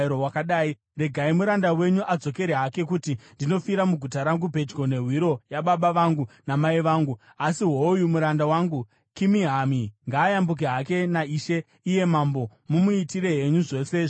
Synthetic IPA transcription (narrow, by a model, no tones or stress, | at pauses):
ɾowakaɗaːi | re̞ɡʱaimuɾandawe̞ɲuʔad͡zo̞ke̞ɾeɦake̞kutindino̞fiɾamuɡʱutaɾaŋɡubʱe̞d͡ʒɡo̞ne̞ɦwiɾo̞jaɓaɓaʋaŋɡunamaiʋaːŋɡu | asiɦojumuɾandawaŋɡu | kimiɦamiŋɡaːjambuk̬iɦake̞naiːʃe̞ | ije̞mambo̞mumuitiɾe̞ɦe̞ɲuʐo̞ːseʐ